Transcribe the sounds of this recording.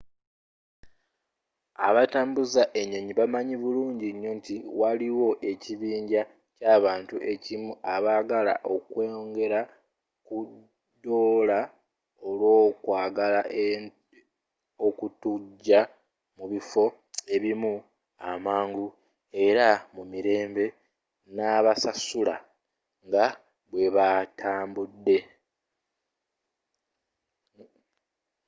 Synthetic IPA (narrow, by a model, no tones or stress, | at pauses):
a̰βataːmbuzaʔe̞ɲːo̞ɲiβamaɲiβuluːɲɟiɲːuːntiwaliwo̞ʔe̞ciβiːɲɟa | caːβaːntuʔe̞cimuʔaβaːɡala̰ʔo̞kwe̞ːŋɡe̞ɾa | ku | doːla | o̞lwo̞ːkwaːɡala | okutuɟːa | muβifo̞ | e̞βimu | a̰maːŋɡu | e̞ɾamumiɾe̞ːmbe̞ | naβasasula | ŋɡa | βwe̞βatʰaːmbudːe̞